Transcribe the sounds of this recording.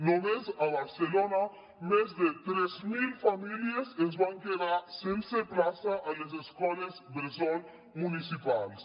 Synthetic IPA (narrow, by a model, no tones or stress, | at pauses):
nomezaβaɾselona | mezðet̪ɾɛzmilfamiliezezβaŋkeðasenseplasaʔalezeskɔlezbezon | munisipals